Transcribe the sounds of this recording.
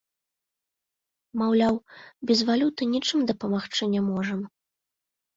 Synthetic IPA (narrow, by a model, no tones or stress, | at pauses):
mawlʲawbʲɛzvalʲut̪ɨnʲit͡ʂɨmd̪ɐpɐmaxt͡ʂɨnʲamɔʐɐm